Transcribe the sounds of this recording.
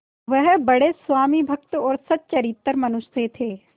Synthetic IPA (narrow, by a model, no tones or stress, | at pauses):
ʋəɦbɐɽesʋaːmibʱɐkt̪ɔːɾsɐt̪̚t͡ʃɐɾit̪ːəɾmɐnʊʃt̪ʰet̪ʰeː